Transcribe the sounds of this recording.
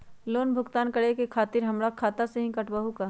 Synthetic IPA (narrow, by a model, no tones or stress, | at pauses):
loːnbʱʊɡt̪aːnkəɽekekʰaːt̪ɪɾɦɐmɽakʰaːt̪aseɦĩkɐʈbaɦukaː